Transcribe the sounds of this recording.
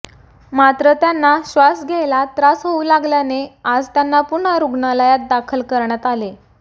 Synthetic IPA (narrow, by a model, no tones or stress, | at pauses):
mat̪ɾət̪janːaɕʋasɡʱelat̪ɾasɦoulaɡljanead͡zt̪janːapuɳ̤aɾuɡɳaləjat̪̚d̪akʰəlkəɾɳjat̪ale